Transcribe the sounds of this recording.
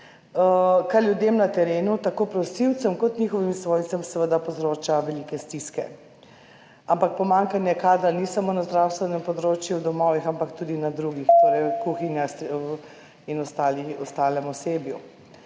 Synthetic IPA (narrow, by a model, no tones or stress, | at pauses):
kaɾljud̪emnat̪ɛɾeːnut̪akoːpɾɔsiwt̪səmkɔt̪nixɔʋimsʋojnsɛmsɛʋəd̪apɔzɾoːt͡ʃaʋɛlikɛst̪iskɛ̰ | ampak̚pɔmaŋkanjɛkaːd̪ɾanisamoːnazd̪ɾawst̪ʋɛnɛmpɔd̪ɾoːt͡ʃjuwd̪ɔmɔʋixampakt̪ud̪inad̪ɾuɡixt̪oːɾɛjkuxinjaxs | inɔst̪aːliɔst̪aːlɛmɔseːbju